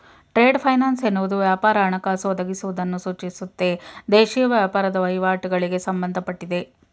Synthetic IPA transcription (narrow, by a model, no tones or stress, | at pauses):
ʈɾe̞ːɖpʰɐjnaːnsenːuʋud̪uʋjaːpaːɾɐːɳɐkaːsoːd̪ɐɡisuʋud̪ɐnːusuːt͡ʃisut̪ːe̞d̪eːʃijɐʋjaːpaːɾɐd̪ɐʋɐjʋaːʈiɡɐɭiɡe̞sɐmbɐnd̪ʱɐpɐʈːid̪e̞